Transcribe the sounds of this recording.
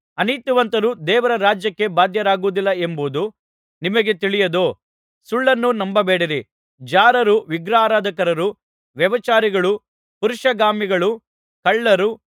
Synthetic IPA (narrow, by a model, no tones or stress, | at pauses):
ɐnit̪uʋɐnt̪ɐɾud̪ɛːʋɐɾɐɾaːd͡ʒjɐkːe̞baːd̪ʱjɐɾaːɡuːd̪ilːɐembuːd̪u | nimɐɡe̞t̪iɭijɐd̪oː | suɭːɐnːunɐmbɐbeːɽiɾi | d͡ʒaːɾɐɾuʋiɡɾaːɾaːd̪ʱɐkɐɾɐɾu | ʋjɐʋɐt͡ʃaːɾiɡɐɭu | puɾuʂɐɡaːmiɡɐɭu | kɐɭːɐɾu